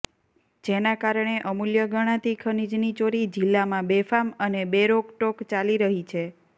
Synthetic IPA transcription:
d͡ʒenakaɾəɳ̃eʔəmuljəɡəɽ̃ãt̪ikʰənid͡ʒnit͡ʃoɾid͡ʒilːamãbefamənebeɾokʈokt͡ʃaliɾəɦit͡ʃʰe

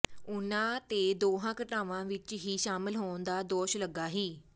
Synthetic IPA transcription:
ʊnãːt̪eːd̪oːɦãːkəʈaːʋãːʋɪt͡ʃɦiːʃaːmɪlɦoːnd̪aːd̪oːʃləɡaːɦiː

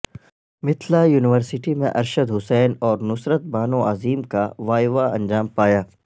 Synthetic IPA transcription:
mɪt̪ʰlajuːnɪʋəɾsɪʈimḛ̃ʔɐɾʃəd̪ɦʊsɛːnɔːɾnʊsɾət̪̚baːnõaːziːmkaʋaːjʋaɐ̰̃nd͡ʒaːmpaːjaː

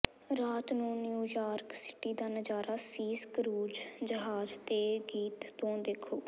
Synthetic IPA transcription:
ɾaːt̪nũːnjuːjaːɾksɪ̥ʈiːd̪aːnəd͡ʒaːɾaːsiːskɾuːd͡ʒd͡ʒəɦaːd͡ʒt̪eːɡiːt̪ːõːd̪eːkʰoː

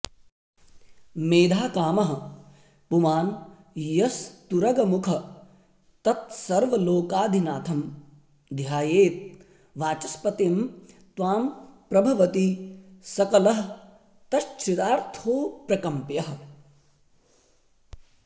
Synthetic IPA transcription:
meːd̪ʱaːkaːmɐɦɐ | pumaːn | jɐst̪uɾɐɡɐmukʰɐ | t̪ɐt̪̚sɐɾʋɐloːkaːd̪ʱinaːt̪ʰɐm | d̪ʱjaːjeːt̪̚ | ʋaːt͡ʃɐspɐt̪eːm | t̪ʋaːmpɾɐbʱɐʋɐt̪isɐkɐlɐɦɐ | t̪ɐʃt͡ʃʰit̪aːɾt̪ʰoːpɾɐkɐmpjɐɦɐ̆

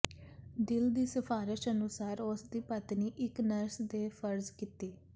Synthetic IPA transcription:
d̪ɪld̪iːsəfʰaːɾɪʃənʊsaːɾʊsd̪iːpət̪niːʔɪknəɾsd̪eːpʰəɾzkiːt̪eː

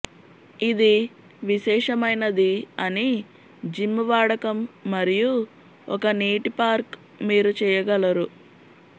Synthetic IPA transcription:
id̪i | ʋiʃɛːʂɐmɐjnɐd̪iɐni | d͡ʒimːɐʋaːɽɐkɐmːɐɾiju | ɔkɐneːʈipaːɾk | miːɾut͡ʃɛːjɐɡɐlɐɾu

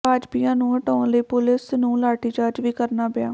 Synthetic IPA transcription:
aːd͡ʒpiːjãːnũːəʈõːləiːpʊlɪsnũːlaːʈiːt͡ʃaːɾd͡ʒʋiːkəɾnaːbɪjaː

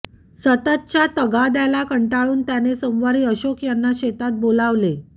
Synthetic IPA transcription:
sət̪ət̪̚t͡ɕjat̪əɡad̪jalakəɳʈaɭuːnt̪janesomʋaɾiːəɕokjanːaɕet̪at̪̚bolaʋle

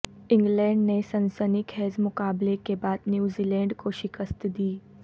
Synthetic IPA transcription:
ĩŋɡlɛ̃ːɳɖnesənsənikhɛːzmʊkaːblekebaːd̪njuːzilɛ̃ːɳɖkoʃikəst̪d̪iː

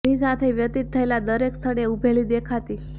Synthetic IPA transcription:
isat̪ʰeʋjət̪it̪ʰːəjlad̪əɾekst̪ʰəɽeubʱeliːd̪ekʰat̪iː

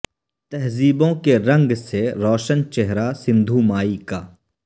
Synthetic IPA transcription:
t̪ɐɦziːbõkeɾɐ̃ŋɡseɾɔːʃənt͡ʃeɦɾasɪ̃nd̪ʱumaːikaː

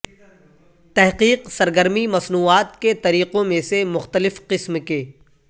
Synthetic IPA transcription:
t̪ɛɦqiːqsɐɾɡəɾmimɐsnuːaːt̪ket̪ɐɾiːqõmẽsemʊxt̪əlɪfqɪsmkeː

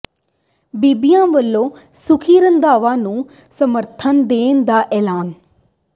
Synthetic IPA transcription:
biːbijãːʋəlːõːsʊkʰiːɾənd̪aːʋãːnũː | səməɾt̪ʰənd̪eːnd̪aːʔɛːlaːn

